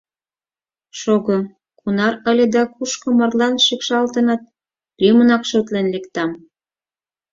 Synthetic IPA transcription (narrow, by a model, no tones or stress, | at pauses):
ʃoɣo | kʰunɑɾə̆lʲed̪ɑkuʃkɤ̆mɑrlɑnʃikʃɑlt̪ə̆nɑt̪̚ | lymənɑkʃot̪lenlekt̪ɑm